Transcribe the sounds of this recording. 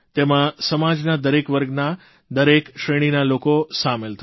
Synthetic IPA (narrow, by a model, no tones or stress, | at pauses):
t̪emãsəmad͡ʒnad̪əɾekʋəɾɡna | d̪əɾekʃɾeɽ̃inalokosamelt̪ʰ